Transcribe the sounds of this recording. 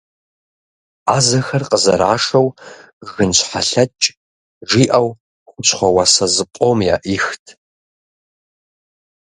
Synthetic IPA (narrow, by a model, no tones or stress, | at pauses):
aːzɐxɐrqʼəzɐ̰ɾa̰ːʂɐw | ɣɨnɕʷħaɬɐt͡ʃʼ | ʒiːʔɐw | xʷʊɕχʷɔwasɐzɨqʷʼomja̰ːʔiːxtʰ